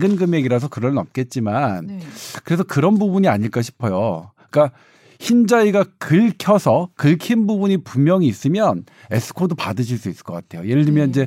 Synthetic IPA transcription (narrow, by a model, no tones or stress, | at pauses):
ɡɯnɡɯme̞ɡiɾas̬ʰʌkɯɾʌnnʌmk͈e̞t̚t͡ɕ͈imankɯɾe̞sʰʌkɯɾʌnbubuɲiaɲiɭk͈aɕ̬ʰi̥pʰʌjo | k͈a | çind͡ʑaiɡakɯɭkʰjʌsʰʌkɯɭkʰinbubuɲipumjʌŋiːs͈ɯmjʌn | e̞sʰɯ̥kʰodopadɯɕʰiɭs͈uis͈ɯ̥k͈ʌk͈atʰe̞jojeɾɯɭdɯmjʌnid͡ʑe̞